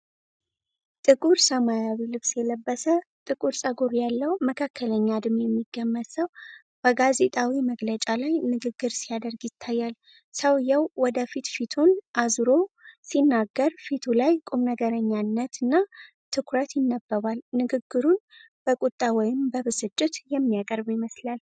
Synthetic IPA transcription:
t̪ʼɨkʼuɾsəmajawilɨβsjɛləbːəsət̪ʼɨkʼuɾsʼəɡuɾjalːəwməkʰakːələɲːad̪ɨmjɛmːiɡːəmːət̪səw | b̥əɡaze̞t̪ʼawiməɡlət͡ʃʼalajnɨɡɨɡːɨɾsijad̪əɾɡjɪt̪ʰːajːal | səwjawwɔd̪əfit̪fit̪ʰunʔazɾo̞sinːaɡːəɾfit̪ʰulajkʼumnəɡəɾəɲːanːət̪ɨnːa | t̪ʰɨkʰɾət̪jɪnːəbːəβalnɨɡɨɡːɨɾun | b̥əkʼut̪ʼːawɔjɪmbəβɨsɨt͡ʃʼːɪt̪jɛmːijakʼəɾbjɪməslal

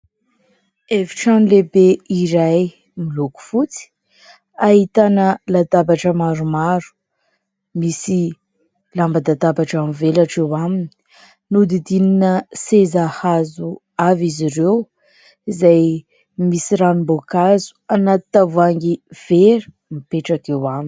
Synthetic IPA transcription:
eviʈ͡ʂanilebeiɾaj | miluku̥fut͡si̥ | aɦit̪anəlat̪abaʈ͡ʂəmaɾumaɾu̥ | misi | lambad̪ad̪abaʈ͡ʂamvelaʈ͡ʂewamini̥ | nud̪id̪ininəsezahazu | aviziɾew | izaj | misiɾamimbokazu̥anat̪t̪avaŋɡiv̥eɾi̥ | mipeʈ͡ʂakewamin

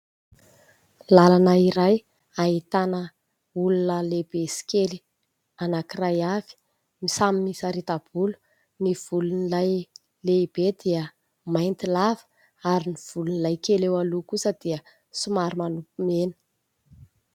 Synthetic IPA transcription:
lalanəiɾaj | ait̪anə | ulunəleb̥esi̥keli | anakirajavi̥ | misaminisaɾit̪ab̥ulu̥ | niv̥ulunilaj | leib̥ed̪iə | majnt̪ilavə̥ | aɾiniv̥ulunilajkelewalukusəd̪̥iə | sumaɾumanupumenə̥

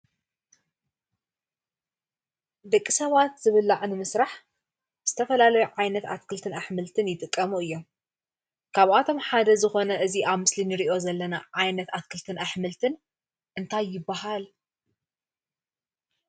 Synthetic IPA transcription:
d̪ɐkʼːisɐβat̪zɨβɨlːaʕnɨmɨsɾaħ | z̥ɨt̪ʰɐfɐlalɐjuʕajnɐt̪a̰t̪̚kʰɨlt̪ʰɨnaħmɨlt̪ʰɨnjɪt̪ʼɨkʼːɐmuɨjːo̞m | kʰaβʔat̪ʰo̞mħad̪ɐzɨxo̞nɐɨziʔaβmɨslinɨɾiʔo̞zɐlːɐnaʕajnɐt̪at̪̚kʰɨlt̪ʰɨnaħmɨlt̪ʰɨn | ʔɨnt̪ʰajːɪbːaɦal

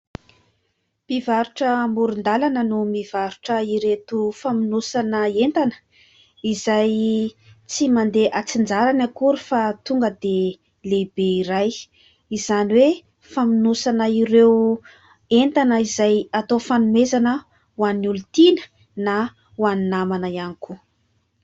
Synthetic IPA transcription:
b̥ivaɾuʈ͡ʂəmuɾund̪alanənumiv̥aɾuʈ͡ʂəiɾet̪ufaminusanəent̪anə̥ | izaj | t͡simand̪eʔat͡sind͡zaɾanakuɾufat̪uŋɡəd̪e | lebeiɾaj | izaniwe | faminusanəiɾew | ent̪anəizajat̪ofanumezanə | wanulut̪inə̥ | na | waninamanajaniku

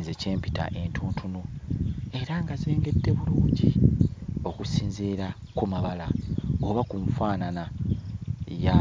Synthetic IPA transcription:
zece̞ːmpita̰ʔe̞ntʰuːntʰunue̞ɾaŋɡazeːŋɡe̞dːe̞βuluːɲɟi | o̞kusiːnziɾa | kumaβalaoβakuɱfaːnana | ja

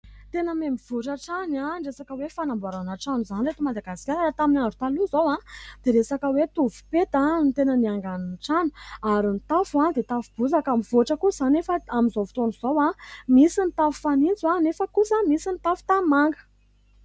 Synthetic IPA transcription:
t̪enəmemiv̥uʈ͡ʂaʈ͡ʂanaɳɖ͡ʐesakəwefanambaɾanaʈ͡ʂanuzaniɾet̪umad̪aɡasi̥kʲaɾaɾat̪aminaɳɖ͡ʐu̥t̪aluzowãd̪̥eɾesakəwet̪uvu̥pet̪anit̪enəniaŋɡanunʈ͡ʂanu̥aɾint̪afuad̪et̪afub̥uzakamivoʈ͡ʂəkuzanefəamizovu̥t̪onuz̥owamisinit̪afu̥fanind͡zanefəkusamisinit̪afu̥t̪amaŋɡə̥

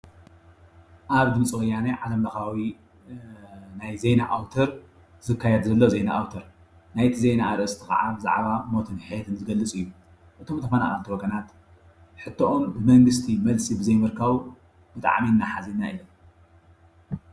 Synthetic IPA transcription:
ʔaβd̪ɨmɨt͡sʼwɐjaneʕalɐmlɐxawi | najzejnaʔawt̪ʰɐɾ | zɨkʰːajɛd̪zɐlːozejna̰ʔawt̪ʰɐɾ | najt̪ʰizejnaːɾʔɨst̪ʰixa̰ʕabɨza̰ʕβamo̞t̪ʰɨnħjɛt̪ʰɨnzɨɡɐlːɨt͡sʼɨjːu | ʔɨt̪ʰo̞mt̪ʰɐfɐna̰χʼɐ̰lt̪iwoɡɐnat̪ | ħɨt̪ʰːoʔombɨmɐŋɡɨst̪ʰimɐlsibɨzɐjmɨɾkʰaβ | b̥ɨt̪ʼa̰ʕminːaħazina̰ʔɨjːom

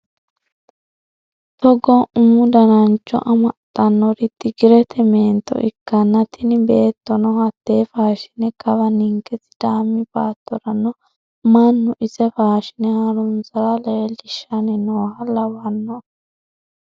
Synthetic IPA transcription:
t̪ɔɡɔnʊmːʊd̪ɐnɐnt͡ʃːɔ̰ʔɐmɐt̪ʼːɐnːɔɾɪt̪ːɪɡɪɾɛt̪ʰɛmeːnt̪ːɔ̰ʔɪ̰kːɐnːɐt̪ɪnɪbe̞ːt̪ːɔnɔhɐt̪ːe̞ːfaːʃɪ̥nɛkɐbɐnɪŋkɛsɪ̥d̪̥aːmːɪbaːt̪ːɔɾɐnɔ | mɐnːʊʔɪsɛfaːʃɪnɛhɐɾʊmsɐɾɐleɛlɪʃːɐnɛnoːhɐlɐwɐnːɔ

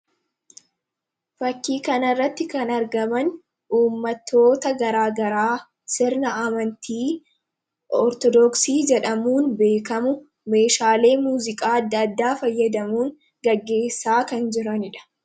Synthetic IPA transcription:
fɐkːiːkɐnɐrːɐt̪ːɪkɐnɐɾɡɐmɐn | ʔuːmːɐt̪ʰːo̞ːt̪ɐɡɐɾaːɡɐɾaː | sɪɾnɐʔɐmɐnt̪ʰiː | ʔɔɾt̪ɔd̪ɔksiːd͡ʒɛᶑɐmuːnbe̞ːkɐmʊ | meːʃaːle̞ːmuːzɪkʼaːɐd̪ːɐːd̪ːaːfɐjːɐd̪ɐmuːŋ | ɡɐɡːe̞ːsːaːkɐnd͡ʒɪɾɐnɪᶑɐ̥

